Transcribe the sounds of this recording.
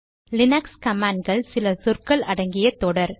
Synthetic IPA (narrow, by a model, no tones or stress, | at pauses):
lɪnɐkskɐmaːnɡɐɭsɪlɐsʊrkɐɭʔɐɽɐŋɡɪjɐt̪ːoːɽɐɾ